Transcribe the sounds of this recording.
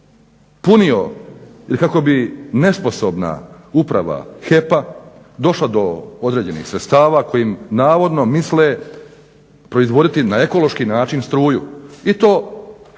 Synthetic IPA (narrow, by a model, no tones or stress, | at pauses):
punio̰jelkako̞bine̞spo̞so̞bna̰ | upɾa̰ʋa̰xe̞pa | d̪o̞ʃlad̪o̞od̪ɾe̞ːd͡ʑe̞nḭxsɾet̪st̪aːʋaːko̞jimnaːʋo̞d̪no̞misle | pɾo̞izʋo̞d̪it̪inae̞kolo̞ʃkinaːt͡ʃinst̪ɾuːjuit̪o̞ː